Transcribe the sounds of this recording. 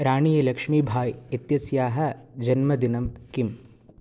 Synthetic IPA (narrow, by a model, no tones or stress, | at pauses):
ɾaːɳijɐlɐkʂmiːbʱaːjit̪jɐsjaːɦɐ̆d͡ʒɐnmɐd̪inɐmkim